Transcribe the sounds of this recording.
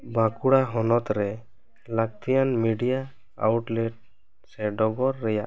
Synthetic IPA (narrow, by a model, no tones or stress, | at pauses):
bãkuɽaɦɔnɔt̪ɾɛ | lak̚t̪ʰijanmiɖijaː | wʈlɛʈ̚ | sɛɖɔɡɔɾːɛjaʔ